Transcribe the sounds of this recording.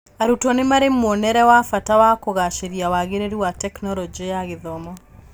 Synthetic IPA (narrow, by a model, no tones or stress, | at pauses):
aɾutɔnemaɾemɔnɛɾɛwafatawakoɣaʃeɾiawaɣeɾeɾiwatɛknɔɾɔd͡ʒijaɣeðɔmɔ